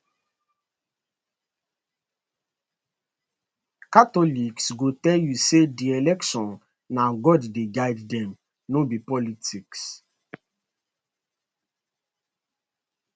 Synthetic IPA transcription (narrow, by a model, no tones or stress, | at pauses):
katɔliksɡotɛljusedielɛkʃɔ̃n | naɡɔddeɡaɪddɛ̃m | nobipɔlitiks